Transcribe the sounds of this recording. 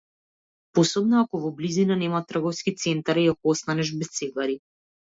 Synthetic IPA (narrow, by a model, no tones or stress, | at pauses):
posɔbnɔakɔvɔblizinanɛmat̪ːr̩ɡɔfskit̪sɛnt̪aɾiakɔɔst̪anɛʒbɛst̪sɛɡaɾi